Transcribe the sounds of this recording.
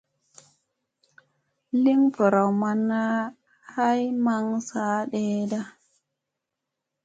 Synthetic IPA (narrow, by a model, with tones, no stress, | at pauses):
li˦ŋfə˨ɾa˨wma˨nːa˦ | ha˦jma˦ŋsaː˦ɗe˦da˦